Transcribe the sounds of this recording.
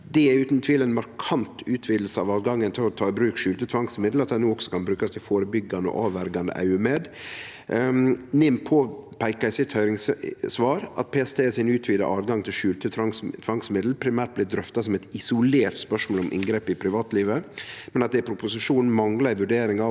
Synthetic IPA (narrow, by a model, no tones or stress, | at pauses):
d̪ɛʉːt̪n̩t̪ʰʋiːləɛnmɑɾkʰɑnt̪ʰʉːt̪ʰʋiːd̪l̩səɑ̰ʋɑːd̪ɡɑŋːənt̪ʰɪlɔt̪ʰɑːɪbɾʉːkʂʉːlt̪ət̪ʰʋɑŋsmɪd̪l̩ɑt̪̚d̪ɛɪnuːɔksɔ̥kʰɑnbɾʉːkɑst̪ʰɪlfoːɾəbʏɡːɑnɔ̰ʔɑːʋʋæɾɡɑnd̪ə̰ʔæ̰ʉəmeːd̪ | nɪmpʰoːpʰæɪkɑsɪt̪hœʏɾɪŋssʋɑːɾʔɑ̰t̪̚pʰɛːɛst̪ʰeːsɪnʉːt̪ʰʋiːd̪ə̰ʔɑːd̪ɡɑŋt̪ʰɪlʂʉːlt̪ət̪ʰɑŋst̪ʰʋɑŋsmɪd̪l̩pʰɾɪmæːʈ̚blɪːd̪ɾœft̪ɑsɔmɛt̪ɪsʊleːɾt̪spœʂmolɔmʔɪ̰ŋɡɾeːpɪpʰɾɪʋɑːt̪liːʋəmɛnɑt̪̚d̪ɛpʰɾʊpʊsɪʂuːnn̩mɑŋlɑɪʋʉɖeːɾɪŋɑ